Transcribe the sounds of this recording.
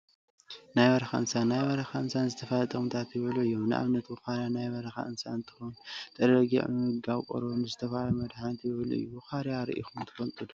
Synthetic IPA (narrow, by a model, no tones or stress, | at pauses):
najβɐɾɐxaʔɨnsanajβɐɾɐxaɨnsanzɨt̪ʰɐfalt̪ʼɐmt̪ʰat̪jɪβɨluʔɨjːomnɨʔa̰βnɐt̪wuxaɾjanajβɐɾɐxa̰ʔɨnsaɨnt̪ʰɨxont̪ʼɐɾɐɡḭʕmɨɡawkʼo̰ɾnɨzɨt̪ʰɐfalmɐd̪ħant̪jɪβɨluɨ̰jːuxaɾjaɾḭʔixumnt̪ʰɨ̥fɐnt̪ʼɨd̪u